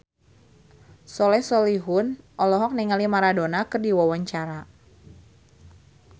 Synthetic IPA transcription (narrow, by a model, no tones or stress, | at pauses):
sɔlɛhsɔliɦʊnʔɔlɔɦɔk̚niŋalimaɾadonakɨrdiwawaɲt͡ʃaɾa